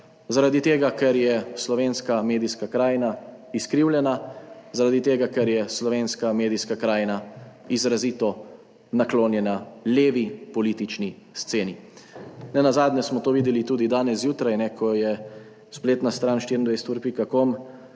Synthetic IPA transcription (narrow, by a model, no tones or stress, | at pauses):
zaɾad̪it̪eːɡakɛɾjɛslɔʋeːnskameːd̪iskakɾaːjnaiskɾiwljɛnazaɾad̪it̪eːɡakɛɾjɛslɔʋeːnskameːd̪iskakɾaːjna | izɾaziːt̪ɔ | nakloːnjɛnaleːʋipɔliːt̪it͡ʃni | st̪seːni | nɛnazaːd̪nʲɛsmɔt̪oːʋiːd̪ɛlit̪uːd̪id̪aːnɛsjuːt̪ɾajnɛkʰɔjɛ | spleːt̪nast̪ɾaːnʃt̪iɾind̪ʋɛjsɛt̪uɾpikakom